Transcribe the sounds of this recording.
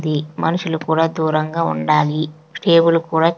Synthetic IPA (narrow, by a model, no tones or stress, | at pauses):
d̪imɐnuʂulukuːɽaːd̪uːɾɐŋɡaːṵɳɖaːli | sʈe̞ːbulukuːɽaː